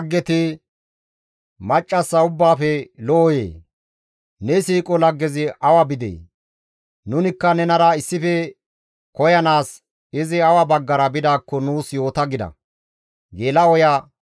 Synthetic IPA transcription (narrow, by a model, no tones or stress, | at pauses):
ɡːɛt̪ɪ | mɐt͡ʃʼːɐsːɐʊbːaːfɛlɔɔjḛː | nɛsiːkʼɔlɐɡːɛzɪʔɐwɐbɪd̪ḛː | nʊnɪkːɐnɛnɐɾɐɪsːɪfɛ | kɔjɐnaːs | ɪzɪɐwɐbɐɡːɐɾɐbɪd̪aːkːɔnuːsjo̞ːt̪ɐɡɪd̪ɐ̰ | ɡeːlɐɔja